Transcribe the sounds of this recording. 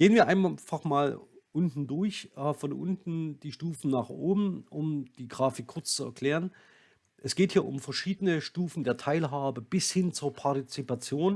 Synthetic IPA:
ɡ̥eːənviːɐʔaɪnfaχmaːlʔʊntn̩dʊɐçʔːfɔnʔʊ̰ntn̩d̥iːʃtuːfn̩naːχʔoːbm̩ʔʊmd̥iːɡʁaːfɪkʰːʊɐt͡st͡suɛ̰ɐkl̥eːʁ̞ən | ʔɛsɡ̥eːthiːɐʔʊ̰mfɛɐʃiːdənəʃtuːfn̩deːɐtʰaɪlɦaːbəb̥ɪshɪnt͡suːɐpʰaɐtit͡sipat͡sjoːn

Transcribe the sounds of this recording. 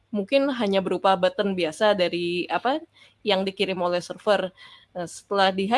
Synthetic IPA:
muŋkɪnɦaɲabəɾupabat̪ənbiasadaɾiapa | jaŋdikiɾɪmolɛhsərfər | əsə̥t̪əlahdiɦa

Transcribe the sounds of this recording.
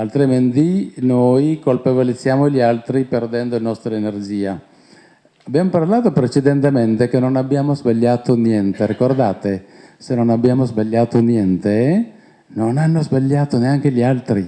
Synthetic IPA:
alt̪ɾemend̪inojkolpevolit̪sːjaːmoʎialt̪ɾiperd̪ɛnd̪oilnɔst̪ɾaenerd͡ʒiːa | abjaːmoparlaːt̪opɾet͡ʃed̪ent̪ement̪ekenːonabːjaːmozbaʎːaːt̪onjɛnt̪eɾikord̪aːt̪esenːonabjaːmozbaʎːaːt̪onjɛnt̪e | nonanːozbaʎːaːt̪oneaŋkeʎialt̪ɾi

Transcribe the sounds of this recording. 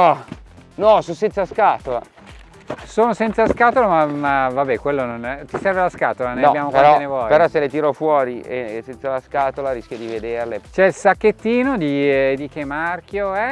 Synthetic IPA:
ɔnɔsosɛnt̪saskaːt̪ola̰ | soːnosɛnt̪saskaːt̪olamamavabɛkwelːonont̪isɛrvelaskaːt̪olannjaɔbjaːmokpeɾɔenevwɔːjpeɔselet̪iɾofwɔːɾiesɛnt̪salaskaːt̪olaɾiskʲjod̪ived̪erlet͡ʃɛlsakːet̪ːiːnod̪id̪ikemːark̟joɛ

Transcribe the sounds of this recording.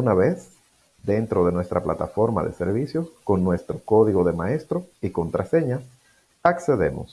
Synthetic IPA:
unaβes | d̪e̞nt̪ɾo̞ðe̞nwe̞st̪ɾaplat̪afo̞ɾma̰ðḛse̞ɾβisjo̞sko̞nːwe̞st̪ɾo̞ko̞ðiɣo̞ðe̞maest̪ɾoiko̞nt̪ɾʔase̞ɲa | akse̞ðe̞̰mo̰s

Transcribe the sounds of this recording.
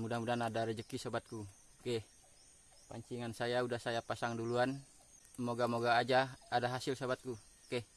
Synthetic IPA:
mudahmudanadaɾəd͡ʒəkisobat̪̚ku | kɛh | pa̰ɲt͡ʃiŋansajaudahsajapasaŋduluan | moɡamoɡaːd͡ʒaːdaɦasilsobat̪̚ku | kɛh

